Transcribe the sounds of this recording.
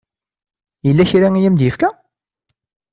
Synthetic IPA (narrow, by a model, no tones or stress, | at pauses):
jəlːæçɾæŋijæmd̪jəfkæ